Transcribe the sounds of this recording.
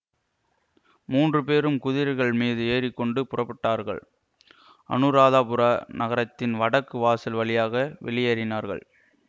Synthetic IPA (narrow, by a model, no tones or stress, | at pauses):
muːndrɯp̬eːɾɯmkʊðɪɾɐɣɐɭmiːðɯeːrɪkːɔɳɖɯpʊrɐpːɐʈːaːɾɣɐ̰ɭ | ʔɐ̰nɯɾaːðaːpɯɾɐnɐɣɐɾɐt̪ːɪnʋɐɽɐkːɯʋaːsɪlʋɐɭɪjaːɣɐʋɛ̰ɭɪjɐɾɪnaːɾɣɐ̰ɭ